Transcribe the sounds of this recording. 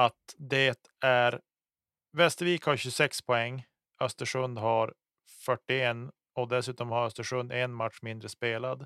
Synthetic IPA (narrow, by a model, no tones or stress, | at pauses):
at̪d̪ɛt̪ | æɾ | vɛst̪əɾviːkhaɾɕɵsɛkspʰɔɛŋː | œst̪əʂɵnd̪ɦaɾ | fœʈːɪɛnː | ɔd̪ɛsʉ̟ːt̪ɔmhaɾœst̪əʂɵnd̪ɛnmat̪ʂmɪnd̪ɾəspeːlad̪